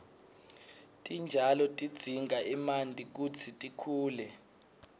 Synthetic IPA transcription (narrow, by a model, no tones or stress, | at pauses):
tʼind͡ʒʱalɔtʼid̥d͡z̥ʱiŋɡʱaʔimandʼʱik̬ut͡sʰitʼikʰuːlɛ